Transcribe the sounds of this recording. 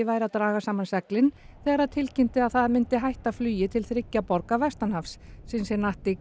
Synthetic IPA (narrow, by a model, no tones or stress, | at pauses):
ɪvaːjɾat̪ɾaːɣasaːmansɛklɪn | θɛːɣaɾaðt̪ʰɪlcɪm̥t̪ɪaðθaðmɪnt̪ɪɦajht̪aflyːjɪt̪ʰɪlθɾɪcːapɔɾkavɛst̪anhafsːɪnsɛnaht̪ɪ